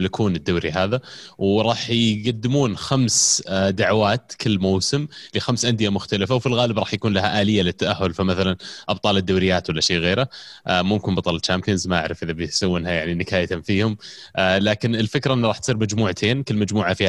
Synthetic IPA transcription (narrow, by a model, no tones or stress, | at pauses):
lɪkʰuːnɪd̪ːawːɾḭɦaːðawɾˤɑːħjɡad̪ːɪmuːnxamsd̪aʕwaːt̪kɪlːmowsɪmlɪxamsʔand̪ɪjamʊxt̪alɪfawfilɣaːlɪbɾˤɑːħjakuːnlahaʔaːlɪjːalɪt̪ːaʔahːʊlfamaθalanʔɑb̚t̪ˤɑːlɪd̪ːawɾɪjːaːt̪wɪlːaʃeːɣeːɾaʔmʊmkɪnbɑt̪ˤɑlɪlt͡ʃaːmpʰiːnzmaʔa̰ʕɾɪfʔɪðabɪjsawːɪnhajaʕninɪkaːjat̪amfiːhʊm | laːkɪnɪlfɪkɾaʔɪnːɾˤɑːħt̪sˤiːɾmad͡ʒmuːʕt̪ʰeːnkɪlːmad͡ʒmuːʕafiː